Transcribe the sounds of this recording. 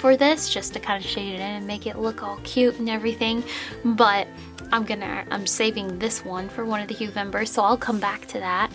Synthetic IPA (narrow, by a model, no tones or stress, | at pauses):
fə˞ðɪsd̥ʒ̥ʌstʰɨkʰãɪ̃ndɨʃeɪɾɨɾɪ̃nɨ̃nmeɪkɨʔˡlʊkɔlˠkʰj̥ʉɾn̩ɛvɹiθɪ̃ŋbʌɾ | ãɪ̃mɡʌnɨ̰ã̰ɪ̃mseɪvɪ̃ŋðɪswʌ̃nfə˞wʌ̃ñʌvðɨhjʉvɛ̃mbə˞z̥soʊaɪlˠkʰʌ̃mbæk̚tʰɨðæt̚